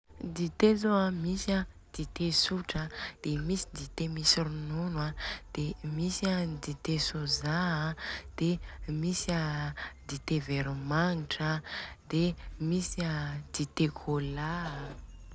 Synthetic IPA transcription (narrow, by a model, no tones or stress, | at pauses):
d̪it̪ezoamisa | d̪̥it̪esuʈ͡ʂəd̪̥emisid̪it̪emisiɾununwad̪̥emisad̪it̪esoza | d̪̥emisad̪it̪eveɾimaŋiʈ͡ʂad̪̥emisad̪̥it̪ekʰola